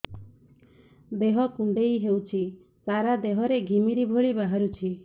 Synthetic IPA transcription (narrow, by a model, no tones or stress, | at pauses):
d̪eɦɔkuɳɖejɦewt͡ʃʰi | saɾad̪eɦɔɾeɡʱimiɾibʱoɭibaɦaɾut͡ʃʰi